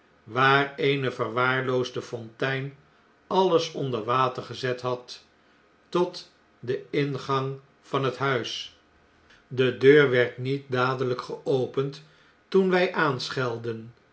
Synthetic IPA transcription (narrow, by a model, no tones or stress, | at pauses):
ʋaːrejnəvəɹʋaːɹlowzdəfɔntɛjn | ɑləsɔndəɹʋaːtəɹχəzɛtɦɑtː | ɔt | dəɪnχɑŋ | fɑnɦətɦœɥs | dədøːɹʋɛɹtnit̚daːdələkχəʔowpənt | tunʋɛjʔaːnsχɛlˠdən